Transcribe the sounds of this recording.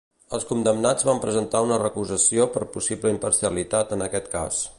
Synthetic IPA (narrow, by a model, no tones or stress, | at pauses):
əlˠskund̪əmnad͡zβampɾəzənt̪aunərəkuzəsiopəɾpusibləimpəɾsiəlit̪at̪ənəkɛt̪ka̰s